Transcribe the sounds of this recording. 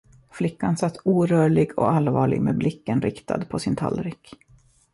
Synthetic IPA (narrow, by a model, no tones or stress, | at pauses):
flɪkːansat̪ːuːɾœːɭɪɡɔ̰alvɑːɭɪ̰ɡmeːblɪkːənɾɪkt̪ʰa̰d̪pʰɔsɪnt̪ʰa̰lɾɪkː